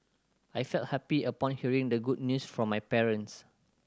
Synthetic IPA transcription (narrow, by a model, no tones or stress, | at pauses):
ajfɛlt̚hɛpiəpɔ̃nhiəɹĩŋdəɡud̚njusfɹɔ̃majpɛɹə̃ns